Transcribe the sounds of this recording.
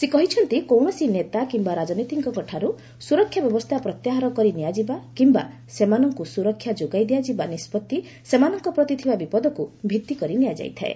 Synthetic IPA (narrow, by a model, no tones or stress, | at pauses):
sekɔɦit͡ʃʰɔnt̪ikowɳ̃ɔsinet̪akimbaɾad͡ʒɔnit̪iŋkɔkɔʈʰaɾu | suɾɔkʰːjabjɔbɔst̪ʰapɾɔt̪jaɦaɾɔkɔɾinijad͡ʒibakimba | semanɔŋkusuɾɔkʰːjad͡ʒoɡajd̪ijad͡ʒibanispɔt̪ːi | semanɔŋkɔpɾɔt̪it̪ʰibabipɔd̪ɔkubʱit̪ːikɔɾinijad͡ʒa̰jt̪ʰa̰ḛ